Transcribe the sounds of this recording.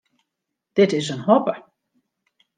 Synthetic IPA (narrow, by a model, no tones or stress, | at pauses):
d̥ɪtɪsənhɔpə